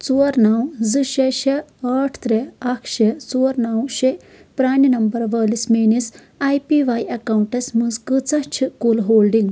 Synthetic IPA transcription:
t͡suɾnawzɨʃeʃeɐːʈʰt̪ɾeɐkʰʃet͡soːɾnawʃe | pɾaːninɐmbɐɾʋɐːlismiːnis | ajpiʋaːjɐkaːwɳʈɐsmɨzkɨt͡sɐt͡ʃʰikulɦoːlɖiŋɡ

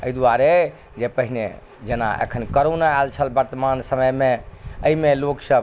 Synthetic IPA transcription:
ə̰id̪uaɾe | d͡ʒepəɦinḛ | d͡ʒena̰ʔḛkʰənkəɾonaɛlt͡ʃʰəlbəɾt̪əmansəməjmẽəɦimeloksəb

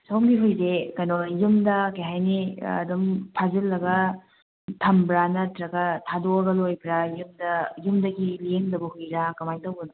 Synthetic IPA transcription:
sowmɡiɦujdekɐnojumdɐkɐjɦajniɐ̰dumpʰazilːɐɡɐ | tʰɐmbɾanɐtɾɐɡɐtʰadoɐɡɐlojbɾajumdɐjumdɐɡiliendɐbɐhujɾakɐmajtɐwɡɐnu

